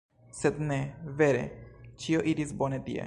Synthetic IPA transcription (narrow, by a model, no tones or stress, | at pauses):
sed̪ne̞ve̞ɾe̞̰t͡ʃio̞ʔiɾisbo̞net̪ḭḛ